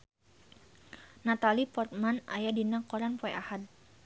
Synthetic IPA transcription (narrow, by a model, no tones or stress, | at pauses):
nat̪alipɔrt̪̚mana̰jadinakɔɾanpɔɛʔahad̪̚